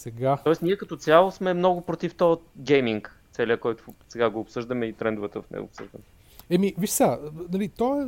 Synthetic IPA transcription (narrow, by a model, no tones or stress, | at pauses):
sɛɡaɔɛsniɛkɐt̪ɔt̪sʲjalˠosmɛmnɔɡʊpɾot̪ift̪ɔɡɛjmiŋkt̪sɛlʲjəkɔjt̪ʊsɛɡaɡoːpsɤʒd̪əmɛit̪ɾɛnd̪ʊvət̪əfnɛ̰ɡo̰ːpsɤ̰ʒd̪ə̰mɛ | ɛmiviʃsanɐlit̪ɔɛ